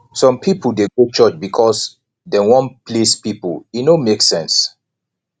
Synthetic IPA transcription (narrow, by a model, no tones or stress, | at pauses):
sɔ̃mpʰipul̩deɡot͡ʃɔt͡ʃbikʰɔs | dewɔ̃npʰlespipulinomeksɛ̃ns